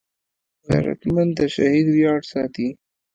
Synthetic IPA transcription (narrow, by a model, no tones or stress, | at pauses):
ɣa̰ɾa̰t̪mant̪aʃahid̪wjɑːʈsɑt̪i